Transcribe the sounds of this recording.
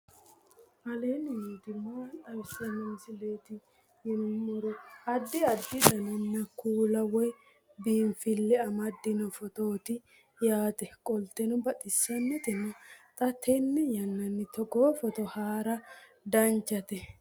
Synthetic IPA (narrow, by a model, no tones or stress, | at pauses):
ʔɐleːnɪjiːt̪ɪmaːtʼɐwɪsɐnɐmsɪleːt̪ɪ | jɛnʊmɔɾɔɐd̪ːɪɐd̪ːɪd̪ɐnɐnːɐkuːlɐwɔj | biːnfɪlːɛɐmɐd̪ːɪnɔfɔt̪oːt̪ɪ | jaːt̪ʼɛkʼɔlt̪ːɛnɔbɐt̪ʼɪsːɐnːɛt̪ɛnːɐt̪ʼɐt̪ʰɛnːɛjɐnːɐnːɪt̪ɔɡoːfɔt̪ɔhaːɾɐ | d̪ɐnt͡ʃːɐt̪ɛ